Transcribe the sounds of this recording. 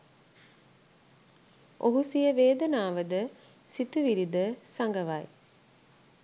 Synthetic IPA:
ʔoɦusijəʋeːd̪ənaːʋəd̪ə | sit̪uʋiɾid̪əsaŋɡəʋaj

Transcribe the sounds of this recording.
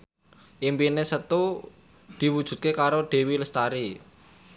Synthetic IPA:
ʔimpinesət̪u | d̪̥i̤wud̥ʒ̥ṳt̪̚kekaɾoɖ̪̥e̤wiləst̪aɾi

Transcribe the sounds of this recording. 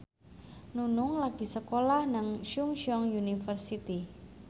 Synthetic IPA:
nunʊŋlaɡ̥i̤səkolahnaŋʃuŋʃɔŋjunifərsit̪i

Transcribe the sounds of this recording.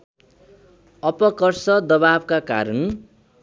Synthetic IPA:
ʌpʌkʌrsʌd̪ʌbabkaka̰ɾʌn

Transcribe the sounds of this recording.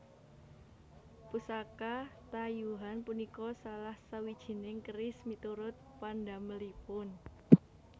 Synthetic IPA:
pusakat̪ajuɦanpunikɔsalahsawid̥ʒ̥i̤nɪŋkəɾɪsmit̪uɾʊt̪̚pandaməlipʊn

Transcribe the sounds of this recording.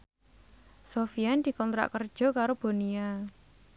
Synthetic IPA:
sofiand̪̥i̤kɔnt̪ɾa̰ʔkərd̥ʒ̥ɔ̤kaɾob̥o̤nia

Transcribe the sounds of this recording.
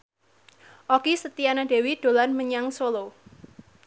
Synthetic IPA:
ʔɔkisət̪ianaɖ̥e̤wid̪̥o̤lanməɲaŋsolo

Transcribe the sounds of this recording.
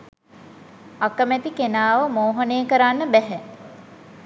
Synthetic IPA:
akəmæt̪ikenaːʋəmoːɦənejːəkəɾanːəbɛɦɛ

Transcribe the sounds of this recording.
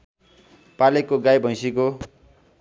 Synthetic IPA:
palekːoɡajbʱʌ̃j̃siko

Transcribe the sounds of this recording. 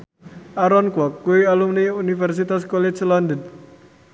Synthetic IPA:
ʔaɾɔnkwɔkːuwialumniunifɛrs̬it̪askɔlɛt͡ʃland̪ən

